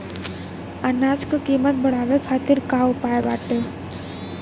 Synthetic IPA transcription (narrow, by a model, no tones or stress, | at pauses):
anaːd͡ʒkakiːmət̪̚bəɽ̤aːʋekʰaːt̪iɾkaːʊpaːebaːʈe